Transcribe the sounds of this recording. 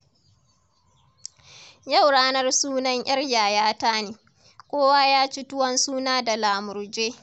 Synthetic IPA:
ja˦˨wɽaː˦nɐ˦rsuː˦nɐ˦ɲʔɐ˦rjaː˨jaː˦taː˦neː˨ | kʷʼoː˦waː˦jaː˦t͡ʃi˦tʊ˦wɐ˦nsuː˦naː˦da˨laː˨mʊ˨ɾd͡ʒeː˦

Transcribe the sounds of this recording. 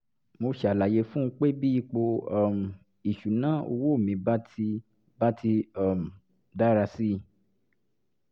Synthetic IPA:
mo˧ʃa˨la˨je˧˦fũ˦˧˦k͡pe˦bi˦i˧k͡po˧ɔ˦˨m˨ | i˨ʃu˨nã˨˦o̰˧wo˦o˦˨mĩ˧ba˦ti˧ | ba˦tʰi˧ɔ˦˨m̩˨ | da˦ɾa˧si˦

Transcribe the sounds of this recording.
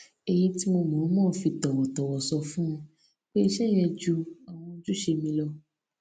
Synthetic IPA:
e˧ji˦ti˦mo˧mɔ̃˨˦mɔ̃ː˦˨˦fi˧tɔ˨wɔ˨tɔ˨wɔ˨sɔ˧fũ˦˧ | k͡pe˦i˧ʃɛ˦˨j̃ɛ̃˧d͡ʒu˧a˨w̃ɔ̃˧d͡ʒu˦ʃe˧mĩ˧lɔ˧

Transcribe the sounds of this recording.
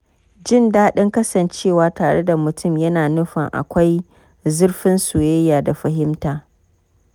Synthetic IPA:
d͡ʒɪ˦˨ndaː˦ɗɪ˦ŋkɐ˦sɐ˨nt͡ʃeː˦˨waː˨taː˨ɽe˦da˨mʊ˨tʰʊ˦˨mjɐ˦naː˨nʊ˦ɸɐ̰˨ŋʔa̰˨kʷa˦j | zʊ˦rɸɪ˦nsuː˨jɛ˦jːaː˨da˨ɸɐ˨ɦɪ˦mtaː˨

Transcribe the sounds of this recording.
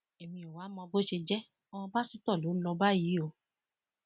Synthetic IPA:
e˨mĩ˧ɔ˨wa˨˦mɔ̃˧bo˦ʃe˧d͡ʒɛ˦ | ɔ˧ɔ̃˧ba˦si˨˦tɔ˦˨lo˨˦lɔ˧ba˦ji˨˦o˧

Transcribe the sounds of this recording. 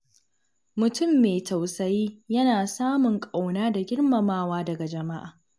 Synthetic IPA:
mʊ˨tʊ˦˨mːeː˨tʰa˨wsɐ˦jiː˦jɐ˦naː˨saː˦mʊ˨ŋkʼa˨wnaː˦da˨ɡʲɪ˦ɽmɐ˨maː˦waː˦dɐ˨ɡa˨d͡ʒɐ˨ma˦ʔa̰ː˨

